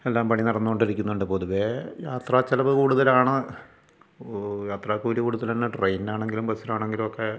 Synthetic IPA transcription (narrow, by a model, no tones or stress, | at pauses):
elːaːmpɐɳinirɐnːuɣoɳɖiɾikʲːunːuɳɖɨpo̞ðuʋejaːt̪raːt͡ɕːɐlɐʋɨkuːɽuðɐlaːɳɨ | jaːt̪raːkuːɾikuːɽuðɐlɐnːɨʈrejnaːɳe̞ŋɡilumbɐsiɾaːɳe̞ŋɡilumokːe